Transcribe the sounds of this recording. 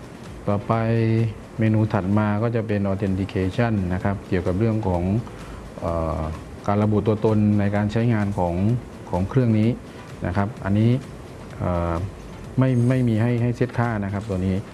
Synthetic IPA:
t̪ɔː˨˧˩pa˧j | meː˧nuː˧t̪ʰa˨˩t̪̚maː˧kɔː˥˩t͡ɕa˨˩pe˧nʔɔː˧t̪ʰe˧nt̪i˧kʰeː˧t͡ɕʰa˥˩nːa˦˥kʰa˦˥p̚ki˨˩əwka˨˩p̚ɾɯ˥˩əŋkʰɔː˩˦ŋ | ʔaː˨˩ | kaː˧nɾa˧bu˨˩t̪u˧ɐt̪o˧nːa˧jkaː˧nt͡ɕʰa˦˥jŋaː˧nkʰɔː˩˦ŋ | kʰɔː˩˦ŋkʰɾɯ˥˩əŋniː˦˥ | na̰˦˥kʰa˦˥p̚ʔa̰˧nːiː˦˥ | ʔaː˨˩ | ma˥˩jma˥˩jmiː˧ɦa˥˩jɦa˥˩jse˦˥˩t̪̚kʰaː˥˩na˦˥kʰa˦˥p̚t̪u˧əniː˦˥

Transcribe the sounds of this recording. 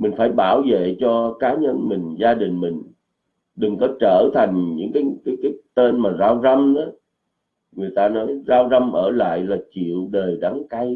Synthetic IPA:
mï˨˩ŋ̟faː˧˩jɓaː˧˩wvḛ˧˨t͡ɕɔ˧kaː˨˦ɲə˧nmï˨˩ŋ̟zaː˧ɗï˨˩ŋ̟mï˨˩ŋ̟ | ɗɨ˨˩ŋkɔ˨˦t͡ɕəː˧˩t̪ʰa˨˩jŋ̟ɲɨ̰˧˥ŋkaː˨˦jkaː˨˦jkaː˨˦jt̪e˧nmaː˨˩zaː˧wza˧mna˨˦ | ŋɨ˨˩əjt̪aː˧nɔ˨˦jzaː˧wza˧mʔəː˧˩la̰ː˧˨jlaː˨˩t͡ɕḭ˧˨əwɗəː˨˩jɗa˨˦ŋka˧j

